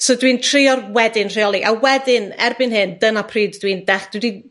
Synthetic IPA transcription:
sodwiːntʰrɪjɔrwɛdɪnr̥iɔlˠiʔa̰wɛdɪnɛrbɨnɦɨndənapʰriːddwiːndɛχd̥widi

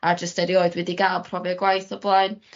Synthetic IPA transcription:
ad͡ʒəstɛɾioɨdwɛdiɡalˠpʰrɔvjəɡwajθɔblˠaɨn

